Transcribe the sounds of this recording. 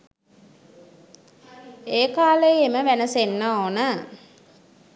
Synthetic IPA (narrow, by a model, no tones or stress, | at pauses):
eːkaːləjeməʋænəsenːaoːnə